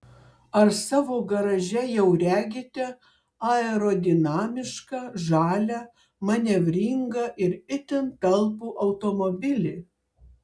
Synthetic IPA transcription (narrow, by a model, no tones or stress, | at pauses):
ɐɾsɑːʋoːɡɐɾɐʒʲɛjɛʊɾʲæːɡʲɪt̪ʲɛ | ɑɛɾoːd̪ʲɪnɑːmʲɪʃkɐʒɑːlʲɛ | mɐnʲɛʋʲɾʲiŋɡɐʔɪɾɪt̪ʲɪnt̪ɐlˠpuːʔɐʊt̪oːmobʲɪlʲɪ